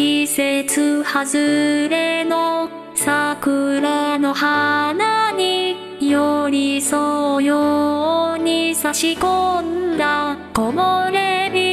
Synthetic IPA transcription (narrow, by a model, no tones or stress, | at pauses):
iset͡sɨhazɨɾe̞no | sakɯ̟ɾano̞hanaɲi | joɾʲisojo | ɲ̟isaɕikond̪akomoɾemʲi